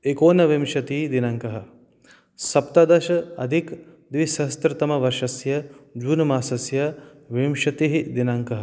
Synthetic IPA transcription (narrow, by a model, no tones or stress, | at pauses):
ekoːnɐʋimʃɐt̪iːd̪inɐŋkɐɦɐ̆ | sɐpt̪ɐd̪ɐʃɐɐ̰d̪ʱik | d̪ʋisɐɦst̪ɾɐt̪ɐmɐʋɐɾʃɐsjɐd͡ʒuːnɐmaːsɐsjɐ | ʋimʃɐt̪iɦid̪inɐŋkɐɦɐ